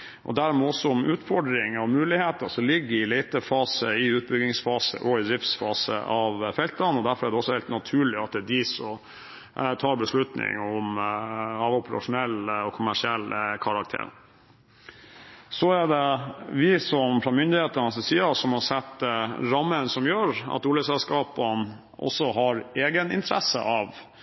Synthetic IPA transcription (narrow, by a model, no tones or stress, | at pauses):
ʔɔ̰d̪æɾmɛɔsːɔɔmʉːt̪fɔɖɾɪŋɑʋmʉːlɪheːt̪əʂɔlɪɡːəɪliːt̪əfɑːsəɪʉːt̪̚bʏɡ̪ɪŋsfɑːsə̰ʔɔɪd̪ɾɪft̪sfɑːsə̰ʔɑʋfɛlt̪ɑnɔd̪æɾfɔɾæɖɛɔsːɔhɛɪlt̪nɑt̪ʰʉːɭɪɑt̪̚d̪ɛd̪ɪsɔm | t̪ʰɑːɾbəslʉt̪nɪ̰ŋɔm | ɑʋʊpəɾɑ̰ʂʊnɛlːɔkʰʊmæʂɪɛlːkʰɑɾɑk̚t̪ʰḛːɾ | sɔæɖɛʋɪsɔmfɾɑmʏnd̪ɪheːt̪ənɑsɛsiːɑsɔmhɑsɛt̪ːɾɑmːənsɔmjøːɾɑ̰t̪uːləsɛlskɑːpən | ʔɔ̰sːɔɦɑɾeːɡənɪ̰nt̪ʰəɾɛsə̰ʔɑʋ